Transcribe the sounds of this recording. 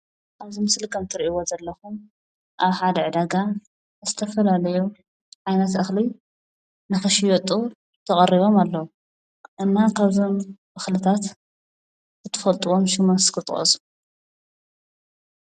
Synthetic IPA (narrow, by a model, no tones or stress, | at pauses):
ʔaβzimɨslɨkʰɐmt̪ʰɨɾʔiwo̞zɐlːɐxum | ʔaβħad̪ɐʕɨd̪aɡa | zɨt̪ʰɐfɐlalɐju | ʕajnɐt̪ʔɨxli | nɨxɨʃijot̪ʼu | t̪ʰɐkʼɐrːiβo̞malːɐwu | ʔɨnːakʰaβzonʔɨxlɨt̪ʰat̪ | zɨt̪ʰɨ̥fɐlt̪ʼuwo̞mʃɪmɐskʰɨt̪ʼχʼɐ̰su̥